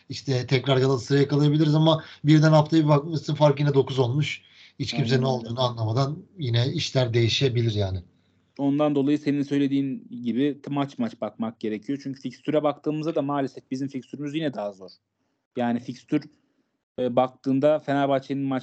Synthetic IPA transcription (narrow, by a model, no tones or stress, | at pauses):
iʃt̪ʰɛt̪ʰɛcɾaɾjalˠansɯɾajakalˠajabilʲiɾizamabiɾd̪ænaft̪ʰajbak̚mat͡ʃʰːɯnfaɾkjinɛd̪o̞kuzo̞lˠmuʃ | it͡ʃcʰims̬e̞nino̞lˠd̪uːnuanlˠamad̪anjinɛiʃlʲæɾd̪e̞jiʃe̞bilʲiɾjaːnɪ | o̞nd̪and̪o̞lˠajɯse̞ninsø̞jlʲe̞d̪iːnɟibɪmat͡ʃmat͡ʃbak̚mak̚ɟe̞ɾecʰijo̞t͡ʃʰyɲcʰy̥ficst̪ʰyɾɛbak̚t̪ʰɯːmɯzd̪ad̪amaːlʲesɛfbizimficst̪yɾymyzjinɛd̪aɦazo̞ɾ̥ | jaːnificst̪ʰyɾ | bak̚t̪ʰɯːnd̪afenalʲbat͡ʃʰenɯnmat͡ʃ